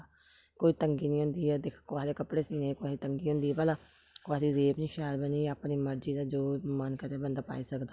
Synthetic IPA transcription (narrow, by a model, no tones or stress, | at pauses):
koːiːt̪əŋɡiːnĩːɦʊ̃ːnd̪iːɛːd̪ɪkʰkaːɦd̪eːkəpɽeːsiːnẽːkoaːsiːt̪əŋɡiːɦʊ̃nd̪iːɛːpalaː | koaːd̪iːɾeːpniːʃaːlbəniːaːpniːməɾd͡ʒiːd̪aːd͡ʒoːmənkət̪eːbənd̪aːpa̰ːiːsəkd̪aː